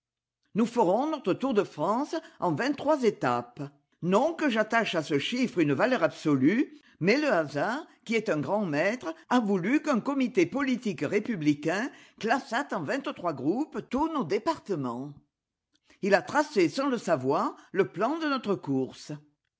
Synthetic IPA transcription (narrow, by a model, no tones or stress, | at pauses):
nufəʁɔ̃nɔt̪χət̪uʁd̪əfχɑ̃sɑ̃vɛ̃nt̪ːχwazet̪ap | nɔ̃kəʒat̪aʃasəʃifʁynəvalœʁabsɔly | mɛləazaʁkʲiɛt̪ɛ̃ɡʁɑ̃mɛt̪χəavulykœ̃ŋkɔmit̪epɔlit̪ikʁepyblikɛ̃klasat̪ɑ̃vɛ̃t̪t̪χwaɡʁupt̪uʁnod̪epaʁt̪əmɑ̃ | ilat̪χasesɑ̃ləsavwaʁləplɑ̃d̪ənɔt̪χəkuʁsə